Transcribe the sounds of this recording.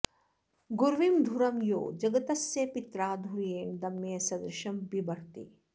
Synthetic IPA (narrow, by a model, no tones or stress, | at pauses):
ɡuɾʋimd̪ʱuɾɐmjo̰ːd͡ʒɐɡɐt̪ɐsjepit̪ɾaːd̪ʱuɾijeːɳd̪ɐmːesɐd̪ɾɪʃɐmbibɐɽ̤t̪ḭː